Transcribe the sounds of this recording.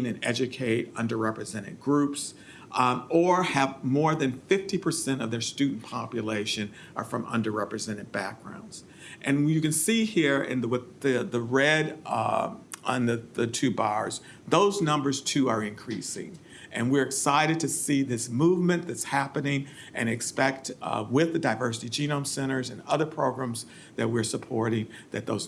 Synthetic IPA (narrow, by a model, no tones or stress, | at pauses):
nɨ̃nɛ̰d͡ʒɨkʰeɪɾʌ̰̃ndə˞ɹɛpɹɨzɛ̃ɾ̃ɨ̰t̚ɡ̥ɹups | ʔə˞ɨvmɔɹðɨ̃nfɪftipʰə˞sɛ̃ɾ̃ʌvðə˞stʉdⁿn̩pʰɑpjɨleɪʃɨ̃n | ʔə̰˞fɹʌ̃mʌ̰̃ndə˞ɹɛpɹɨzɛ̃ɾ̃ɨd̚b̥æk̚ɡ̥ɹã̰ʊ̃ndz̥ | ʔɨ̃njɨkɨ̃nsihiɹɪ̰̃nðwɨðɨðəɹɛɾ | nðɨðɨtʰʉbɑɹz̥ | ðoʊznʌ̃mbə˞z̥tʰʉə˞ɨ̃nkʰɹ̥isɪ̰̃ŋ | ʔɨ̃nwɪɹɨksaɪɾɨd̚tʰɨsiðɪsmuvmɨ̃nðɨtshæpɨnɪ̃ŋ | ʔɨ̰̃ñɨkspɛk̚twɪðɨdaɪvɜ˞sɨɾid͡ʒĩñõʊ̃msɛ̃ɾ̃ə˞zɨ̃nʌðə˞pʰɹ̥oʊɡɹæ̃mz | ðɨ̰t̚wɪɹsəpʰɔɹɾɪ̃ŋðɨt̪̚ðoʊz